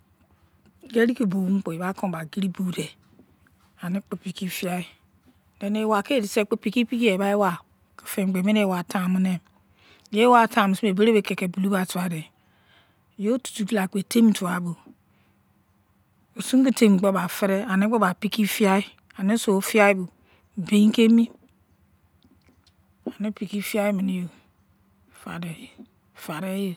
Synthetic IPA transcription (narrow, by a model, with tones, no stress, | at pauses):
ɡe˦ɾi˦ki˨bu˨˦m̩˦k͡po˨i˨ba˦ko˦˨ba˨ɡi˦ɾi˦bu˨de˨ | a˨ni˦k͡po˨pi˨ki˦fi˦a˦i˦ | de˨˦ne˨wa˨ke˦˨di˨se˦k͡po˦pi˨ki˦pi˦ki˦e˨ba˦e˦wa˨ | ki˨fe˨ŋ͡m̩˨ɡ͡be˨me˦ne˦˨wa˨ta˨mi˦ne˨ | je˦wa˨tã˨m˨su˦e˨be˦ɾe˦be˨ke˨ke˨bu˨lu˦ba˨tu˨a˨de˨ | jo˦tu̥˨tu˨di˦la˨ke˨te˦m˨˦tu˨a˨bu˨ | o˨su˦ŋ˦ki˦te˦m̩˨k͡po˦ba˨fe˦ɾe˦a˨ne˦k͡po˦ba˨pi˦ki˦fi˦a˦i˦ | a˨ne˦so˨o˦fi˦a˦i˦bu˨ | be˨i˦ke˦mi˦ | a˨ne˦pi˨ki˦fi˦a˦i˦mi˨ni˦jo˨ | fa̰˨de˨ | fa˨ɾe˦jo˨